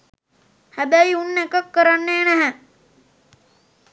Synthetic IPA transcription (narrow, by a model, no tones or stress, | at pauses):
hæbæjunːekəkːəɾanːeːnæɦɛ